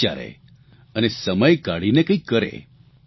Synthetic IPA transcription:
a̰ɾḛ | ənesəməjkaɽinekə̃ikːəɾḛ

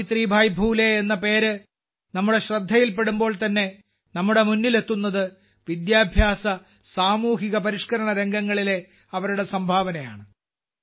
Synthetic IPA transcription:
it̪riːbʱaːjbʱuːle̞ːnːɐpe̞ːɾɨ | nɐmːuɽe̞ɕrɐd̪ʱːɐjilpe̞ɽumbo̞ːɭlt̪ɐnːe̞ | nɐmːuɽe̞munːile̞t̪ːunːɐðɨ | ʋid̪jaːbʱjaːsɐ | saːmuːɦiɣɐpɐɾiʂkɐɾɐɳɐɾe̞ŋɡɐŋːɐɭile | ɐʋɐɾuɽe̞sɐmbʱaːʋɐnɐja̰ːɳɨ

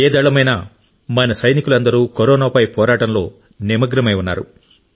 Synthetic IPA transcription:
eːd̪ɐɭɐmɐjnaː | mɐnɐsɐjnikulɐnd̪ɐɾuːkoɾɔːnaːpɐjpɔːɾaːʈɐmlo̞ː | nemɐɡɾɐmɐjunːa̰ːɾṵ

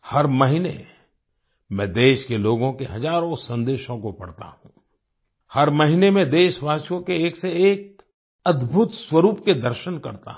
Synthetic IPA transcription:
hɐɾmɐɦinḛ | mɛ̃d̪eːʃkeloːɡõkeɦɐzaːɾõsɐ̃nd̪eːʃõkopɐ̰ɽt̪a̰ɦṵ̃ː | hɐɾmɐɦinemẽd̪eːʃʋaːsjõkeeːkseeːk̚ | ɐd̪bʱʊt̪swɐɾuːpked̪ɐɾʃənkɐɾt̪a̰

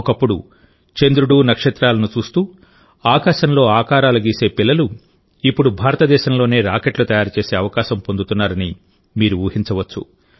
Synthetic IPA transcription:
ɔkɐpːuɽṵ | t͡ʃe̞nd̪ɾuɽuːnɐkʂɐt̪ɾaːlɐnut͡ʃuːst̪uː | aːkaːʃɐnlo̞ːaːkaːɾaːlɐɡiːse̞ːpilːɐlu | ipːuɽubʱaːɾɐt̪ɐd̪ɛːʃɐmlo̞ːne̞ːɾaːkeʈlut̪ɐjaːɾut͡ʃeːse̞ːɐʋɐkaːʃɐmpo̞nd̪ut̪unːaːɾɐni | miːɾuʋuːhiɲt͡ʃɐʋɐt͡ʃːṵ

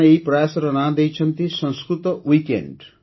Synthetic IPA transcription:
ɐipɾɐjaːsɐɾɐnaːd̪ejt͡ʃʰɐnt̪isɐ̃nskɾut̪ɐʋiːkḛɳɖ

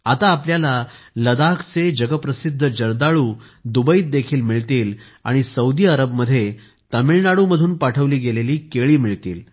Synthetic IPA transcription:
at̪aːpljalaləd̪akʰt͡sed͡ʑəɡəpɾəsid̪ʱːəd͡ʑəɾd̪aɭuː | d̪ubəiːt̪̚d̪ekʰiːlmiɭt̪iːl | a̰ɽ̃isəud̪iːəɾəbməd̪ʱːje | t̪əmiɭnaɽuməd̪ʱuːnpaʈʰəʋliːɡeleliːkeɭiːmiɭt̪ḭːl

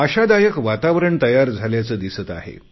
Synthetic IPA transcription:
əɕad̪ajəkʋat̪aʋɾəɳt̪əjaɾd͡zʱaljat͡səːd̪isət̪aɦḛ

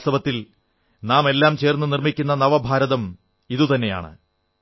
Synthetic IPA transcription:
sɐbɐt̪ːil | naːmelːaːmt͡ɕe̞ːrnːunirmikʲːunːɐnɐʋɐbʱaːɾɐðɐm | iðut̪ɐnːe̞ja̰ːɳɨ̰

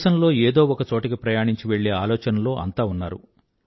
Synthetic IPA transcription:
ʃɐnlo̞ːeːd̪o̞ːɔkɐt͡ʃo̞ːʈɐkipɾɐjaːɳiɲt͡ʃiʋe̞ɭːe̞ːaːlɔːt͡ʃɐnɐlo̞ːʔɐ̰nt̪aːunːaːɾṵ

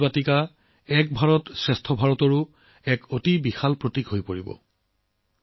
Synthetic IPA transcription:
batika | ɛk̚bʱaɹɔtsɛstʰɔbʱaɹɔtɔɹu | ɛkotibixalpɹotikɦojpoɹibɔ̰

